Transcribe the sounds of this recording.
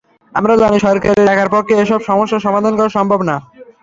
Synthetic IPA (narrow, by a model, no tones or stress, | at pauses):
amɾad͡ʑaniʃɔɾkaɾeɛkʰaɾpɔkʰːeeʃɔbʃɔmoʃːaʃɔmad̪ʱankɔɾaʃɔmbʱobna